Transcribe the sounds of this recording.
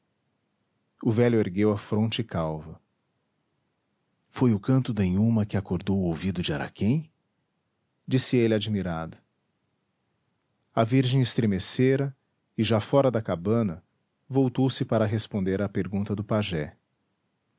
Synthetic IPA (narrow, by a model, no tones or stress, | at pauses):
ʊvɛlʊeɾɡewɐfɾõnt͡ʃɪɪkawvɐ | fojʊkɐ̃nt̪ʊd̪ẽj̃umɐkɪakoɾd̪owʊowvid̪ʊd͡ʒɪaɾa̰kẽj̃ | d͡ʒisɪelɪad͡ʒimiɾad̪ʊ | ɐviɾʒẽj̃ɪst̪ɾemeseɾɐ | ɪʒafɔɾɐd̪ɐkabɐ̃nɐ | vowt̪owsɪpaɾɐɦespõnd̪eɾapeɾɡũnt̪ɐd̪ʊpaʒɛ